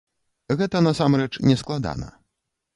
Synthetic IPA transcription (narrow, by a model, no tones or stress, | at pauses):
ɣɛt̪ɐnasamɾɛt͡ʂnʲɛsklˠad̪a̰nɐ̰